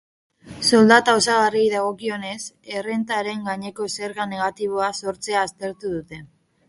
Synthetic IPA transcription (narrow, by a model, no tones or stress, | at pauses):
so̞ld̪at̪aosaɣarijðaɣ̞o̞kio̞ne̞se̞re̞nt̪aɾe̞ŋɡaɲe̞ko̞se̞ɾɣane̞ɣ̞at̪iβ̞o̞aso̞ɾt͡se̞aːst̪e̞ɾt̪uðut̪e̞